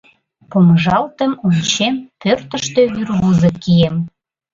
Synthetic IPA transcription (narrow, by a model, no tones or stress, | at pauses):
poməʒɑlt̪ə̆mont͡ɕempørt̪ə̆ʃt̪ø̽βyrɣuzə̆kijem